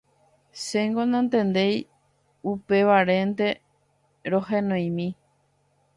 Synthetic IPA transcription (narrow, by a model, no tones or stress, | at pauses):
seŋɡonãnt̪ẽ̞nd̪e̞j | upe̞ʋaɾe̞nt̪e̞ | ɾoɦẽnõj̃mĩ